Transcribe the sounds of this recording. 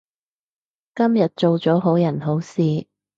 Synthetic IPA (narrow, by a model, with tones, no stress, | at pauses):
kɐ˥mjɐ˨t̚t͡so˨wt͡sɔː˨˥ɦo˨˥wjɐ˨˩nɦo˨˥wsiː˨˧